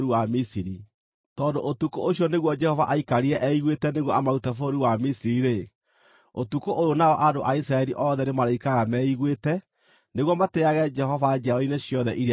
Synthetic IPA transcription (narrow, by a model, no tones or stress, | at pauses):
ɾiwamisiɾi | tɔːndoʔotukoʔoɕjɔneɣwɔd͡ʒɛhɔvaʔaikaɾiɛʔɛiɣwetɛneɣwɔʔamautafooɾiwamisiɾiɾe | otukoʔojonaɔʔadoʔaisɾaɛɾiʔɔðɛnemaɾaikaɣamɛiɣwetɛ | neɣwɔmateaɣɛd͡ʒɛɦɔvad͡ʒaɾɔineɕjɔðɛʔiɾ